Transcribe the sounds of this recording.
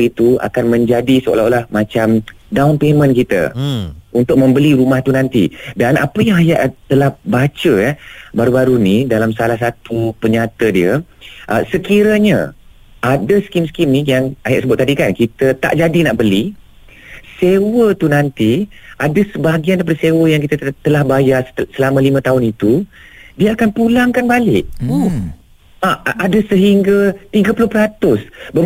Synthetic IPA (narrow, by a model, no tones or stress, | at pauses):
it̪ua̰kanmə̃ɲd͡ʒadisəo̰laolahmãt͡ʃam | daunpemə̃nkit̪ə̰unt̪ʊk̚mə̃mbəliɾumaht̪unãnt̪ḭdana̰pəjaŋajaʔt̪əlahbat͡ʃəjabaɾubaɾunĩdalamsalahs̬at̪upəɲat̪ədiəʔəsəkiɾəɲã̰ | ʔadəskimskimnĩjaŋajaʔsəbʊt̪̚ːadikankit̪ət̪a̰ʔd͡ʒadinaʔbəli | sewət̪unãnt̪iʔadəsəbaɡiandapadəsewəjaŋkit̪ət̪əlahbajarsəlamãlimə̃t̪aʊnit̪u | diəakanpulaŋkanbalɪʔ | aʔadasəɦiŋɡat̪iɡəpulʊhpəɾat̪ʊsbəm